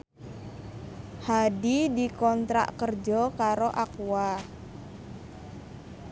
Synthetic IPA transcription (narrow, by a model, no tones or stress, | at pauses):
hadidikɔnt̪ɾa̰ʔkərd͡ʒɔkaɾoʔakwa